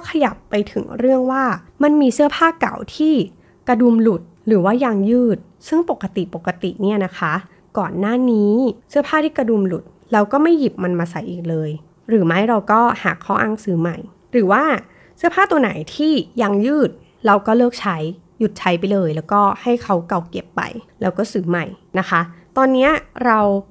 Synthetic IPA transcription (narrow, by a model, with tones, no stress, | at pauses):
wkʰa˧ja˨˩pːa˧jt̪ʰɯ˩˦ŋɾɯ˥˩əŋwaː˥˩ | ma˧nmiː˧sɯ˥˩ɐpʰaː˥˩ka̰˨˩wt̪ʰiː˥˩ | kɾa˧du˧mlu˨˩t̪̚ɾɯː˩˦waː˥˩ja˧ŋjɯː˥˩t̪̚ | sɯ˥˩ŋpo˨˩kːa˧t̪i˨˩po˨˩kːa˧t̪ḭ˨˩ʔniː˥˩ɐna˦˥kʰa˦˥ | kɔː˨˩nːaː˥˩niː˦˥sɯ˥˩ɐpʰaː˥˩t̪ʰiː˥˩kɾa˧du˧mlu˨˩t̪̚ | la˧wkɔː˥˩ma˥˩jːi˨˩p̚ma˧nmaː˧sa˨˦jʔiː˨˩k̚lɤː˧j | ɾɯː˩˦ma˦˥jɾa˧wkɔː˥˩haː˨˩kʰːa˦˥wʔa˧ŋsɯː˩˦ma˨˩j | ɾɯː˩˦waː˥˩ | sɯ˦˥ɐpʰaː˥˩t̪u˧ɐna̰˨˩˦jt̪ʰiː˥˩ja˧ŋjɯː˥˩t̪̚ | ɾa˧wkɔː˥˩lɤː˥˩k̚t͡ɕʰa˦˥j | ju˨˩t̪̚t͡ɕʰa˦˥jp̬a˧jlɤː˧jlɛː˦˥wkɔː˥˩ha˥˩jkʰa˦˥wka˨˩wke˨˩pːa̰˧jlɛː˦˥wkɔː˥˩sɯː˩˦ma˨˩jna˦˥kʰa˦˥t̪ɔː˧nːi˦˥ɐɾa˧w